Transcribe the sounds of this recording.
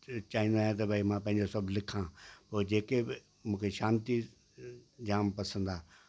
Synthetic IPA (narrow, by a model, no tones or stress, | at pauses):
t͡ɕaːɦĩnd̪aːɦjẽt̪̬ɐbʱaːimãpɐ̃ɦɪ̃ɲd͡ʑosɐbʱlɪkʰãpoːd͡ʑeːkeɪ | mũːkʰeʃaːnt̪i | d͡ʑaːmpɐsə̃nd̪aː